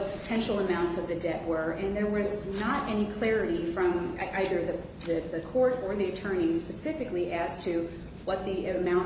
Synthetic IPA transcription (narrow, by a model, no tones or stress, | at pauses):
pʰə̥tʰɛ̃nʃl̩ˠəmãʊ̃ntsʌvðɨdɛʔ̚wə˞ɨ̃nðə˞wʌznəɾʔɛnikʰl̥ɛɹɨɾifɹʌ̃mʔaɪðə˞ðɨ | ðɨðɨkʰɔɹɾə˞ðiɨtʰɜ̃˞nispɨsɪfɨkliʔɨz̥tʰɨ | wʌt̪̚ðiɨmãʊ̃n